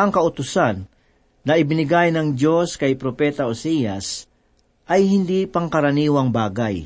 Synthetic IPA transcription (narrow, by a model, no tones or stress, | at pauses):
ʔɐŋkɐʔʊt̪ʊsanː | ɐʔɪbɪnɪɡajnɐŋd͡ʒoskɐjpɾopɛːt̪ɐʔosijas | ʔɐjhɪnd̪ipɐŋkɐɾɐniːwɐŋbaːɡaj